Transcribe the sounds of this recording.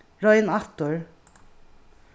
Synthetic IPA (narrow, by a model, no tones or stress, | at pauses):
ɹɔʏɪnɑt̪ʊɹ